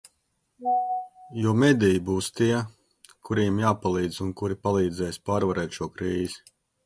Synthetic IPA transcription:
juɔmɛd̪ʲijibuːst̪iɛ | kʰuɾiɛmjaːpalˠiːd̪zunkuɾipalˠiːd̪zɛːjspaːɾvaɾɛːt̪ʃuɔkɾiːzi̥

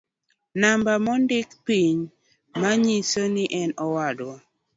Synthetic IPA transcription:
nambamɔndɪkpiɲ | maɲisonɪʔɛnɔwadwa

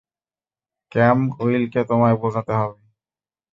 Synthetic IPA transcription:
kɛmoilket̪omaebozʱat̪eɦɔbe

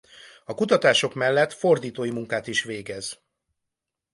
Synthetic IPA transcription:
ɒkut̪ɒt̪aːʃo̞kmɛlːɛt̪fo̞rd̪iːt̪oːjimuŋkaːt̪iʃʋeːɡɛz̥

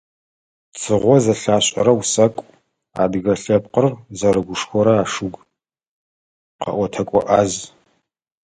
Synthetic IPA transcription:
t͡sʰʼɨʁʷɔzɐɬaːɕʼɐ̰ɾɐwsɐkʷʼ | a̰ːbɣɐɬɐpqərzɐɾɨɡʷʊʂxʷɔɾɐaːʂɨɡʷ | qɐ̰ʔʷɔtʰɐkʷʼɔ̰ʔaːz

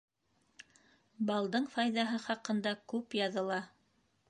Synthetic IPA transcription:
bɑlˠd̪ɤɴfɑjðɑɦɤχɑqɤ̆nd̪ɑkʉpjɑðɤ̆lˠɑ

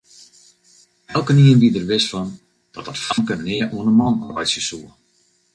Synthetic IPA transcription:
ɛlˠkəniəndidərʋɪsfɔn | d̥ɔt̚ɔtfɔŋkənnɪəʔuənəmɑnɔ̰rbɛjtsjəsuə

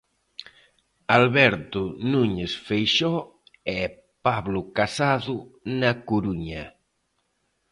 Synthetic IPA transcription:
alβɛɾt̪ʊnuɲesfejʃɔ | ɛ | paβlʊkasaðʊnakuɾuɲɐ

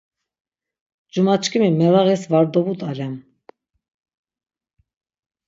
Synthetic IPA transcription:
d͡ʒumat͡ʃʰkʰʼimimɛlaɣisvaɾd̪ɔbut̪ʼalɛm

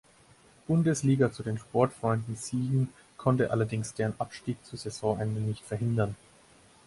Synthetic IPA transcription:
b̥ʊndəsliːɡat͡sudeːnʃpɔɐtfʁ̥ɔʏndn̩ziːɡŋ̩ | kʰɔntəʔalɐdɪŋsd̥eːʁənʔapʃtiːk̚t͡suːzɛzɔ̃ːʔɛndənɪçtfɛɐɦɪndɐn

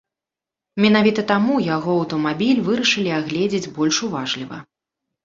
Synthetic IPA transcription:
mʲin̪avʲit̪ɐt̪amujaɣɔɐwt̪ɐmabʲilʲvɨɾɐʂɨlʲiaɣlʲɛd͡zʲid͡zʲbɔlʲʂuvaʐlʲivɐ̰

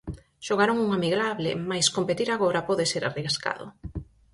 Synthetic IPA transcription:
ʃoɣaɾoŋuŋamiɣɾaβlɪ̰majskompet̪iɾaɣoɾapɔðɪseɾa̰riaska̰ðʊ̰

